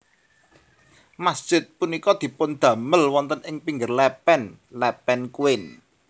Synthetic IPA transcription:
masd̥ʒ̥ɪ̤t̪̚punikɔd̪̥i̤pʊnd̪̥ä̤məlwɔnt̪ənɪŋpiŋɡərlɛpɛnlɛpɛnkuwɪn

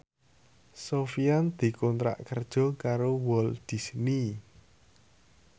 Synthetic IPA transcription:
sofiand̪̥i̤kɔnt̪ɾa̰ʔkərd̥ʒ̥ɔ̤kaɾowɔld̪̥i̤sni

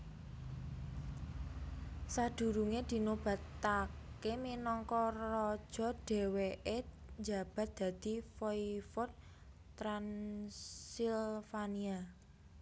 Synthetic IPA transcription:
sad̪̥ṳɾuŋed̪̥i̤nob̥a̤t̪akeminɔŋkɔrɔd̥ʒ̥ɔ̤d̥ɛ̤weʔe | ɲd͡ʒa̤b̥a̤t̪̚d̪̥ä̤d̪̥i̤fɔifɔt̪̚ː | ɾan | silfania

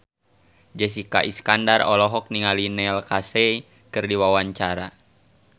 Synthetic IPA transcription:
d͡ʒɛs̬ika̰ʔiskandarɔ̰lɔɦɔk̚niŋalinɛlkasɛ | kɨrdiwawaɲt͡ʃaɾa

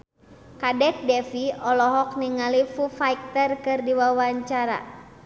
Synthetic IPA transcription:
kadɛk̚dɛfiɔlɔɦɔk̚niŋalifufaik̚t̪ərkɨrdiwawaɲt͡ʃaɾa̰

